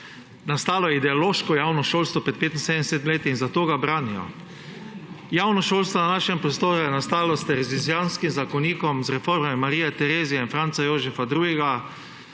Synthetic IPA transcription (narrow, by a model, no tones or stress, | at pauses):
nast̪aːlɔjɛid̪ɛɔloːʃkɔjaːwnɔʃoːlst̪ʋɔpɾɛt̪̚peːt̪insed̪ɛnɛset̪mleːt̪iinzat̪oːɡabɾaːniɔ̰ | jaːwnɔʃoːlst̪ʋɔnanaːʃɛmpɾɔst̪oːɾujɛnast̪aːlɔst̪ɛɾɛzizjanskimzakɔniːkɔmzɾɛfoɾmɛmaɾiːjɛt̪ɛɾeːzijainfɾantsajoːʒɛfad̪ɾuːɡɛɡa